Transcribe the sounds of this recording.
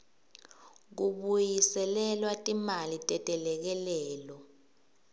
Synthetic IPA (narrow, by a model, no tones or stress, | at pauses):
k̬uɓujisɛlɛlwatʼimalitʼɛtʼɛlɛk̬ɛlɛːlɔ